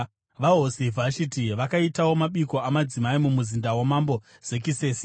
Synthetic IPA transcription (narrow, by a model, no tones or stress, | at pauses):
ʋaɦosivʱʃitiʋakaitawo̞maɓiko̞amad͡zimaimumuzindawemambo̞ | z̥e̞kise̞ːsi̥